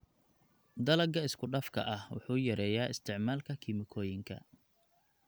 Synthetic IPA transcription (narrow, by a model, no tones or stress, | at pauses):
d̪ɐlɐɡɐɪskʰʊɖɐfkʰɐ̰ʔɐhwʊ̰ħuːjɐɾɛːjaːɪst̪ʰɪʕmaːlkʰɐkʰimɪkʰɔːjɪŋkʰɐ̰